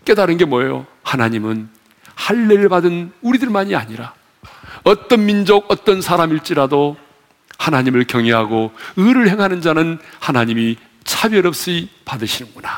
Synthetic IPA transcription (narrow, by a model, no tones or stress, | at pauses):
k͈e̞daɾɯnɡe̞mwʌejo̰ | hanaɲimɯn | haɭːeɭbadɯnuɾidɯɭmaɲia̰ɲiɾa | ʌt͈ʌnmind͡ʑoɡʌt͈ʌnsʰaɾamiɭt͡ɕ͈iɾado | hanaɲimɯɭkjʌŋeɦaɡoɯɾɯɭhe̞ŋɦanɯnd͡ʑanɯnhanaɲimi | t͡ɕʰabjʌɾʌp̚s͈ipadɯɕʰinɯnɡuna